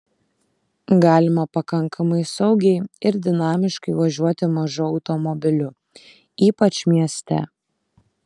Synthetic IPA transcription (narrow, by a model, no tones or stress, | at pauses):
ɡɑːlʲɪmɐpɐkɐŋkʰɐmɐɪsɒʊɡʲɛɪɪɾd̪ʲɪnɑːmʲɪʃkɐɪʋɐʒʲuɔt̪ʲɪmɐʒʊɒʊt̪ɔmɔbʲɪlʲʊ | iːpɐt͡ʃʲmʲiɛsʲt̪ʲɛ̰